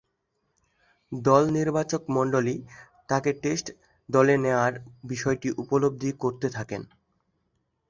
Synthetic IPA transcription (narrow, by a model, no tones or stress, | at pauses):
d̪ɔlniɾbat͡ɕokmɔɳɖoli | t̪akeʈesʈ | d̪ɔleneoaɾbiʃɔeʈiʔupolob̚d̪ʱikoɾt̪et̪ʰaken